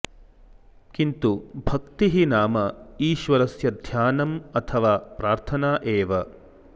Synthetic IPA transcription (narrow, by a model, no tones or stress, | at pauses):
kint̪ubʱɐkt̪iɦinaːmɐiːʃʋɐɾɐsjɐd̪ʱjaːnɐmɐt̪ʰɐʋaːpɾaːɾt̪ʰɐnaːʔeːʋɐ